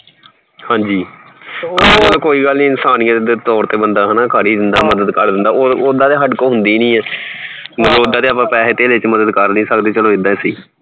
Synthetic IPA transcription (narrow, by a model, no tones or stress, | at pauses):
hãːɲd͡ʒiːkəəlkoːiːɡəlnĩːɪnsaːnɪjãːd̪t̪ɔːɾt̪eːbənd̪aːɦnaːkəɽiːd̪ɪnd̪aːməd̪əd̪kəɾd̪ɪ̃nd̪aːooːd̪ãːd̪eːɦəɖkõːɦʊnd̪iːnĩːɛː | məloːd̪aːd̪eːaːpãːpɛːɦet̪eːleɪt͡ʃməd̪əd̪kəɾnĩːsəkd̪eːt͡ʃəloːɪd̪ãsiː